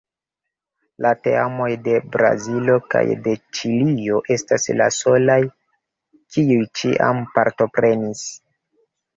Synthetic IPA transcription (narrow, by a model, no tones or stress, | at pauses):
late̞amo̞jde̞bɾa̰zilo̞ka̰jde̞t͡ʃilio̞ʔe̞staslaso̞laj | kʰiujt͡ʃḭʔa̰mpaɾto̞pɾe̞nis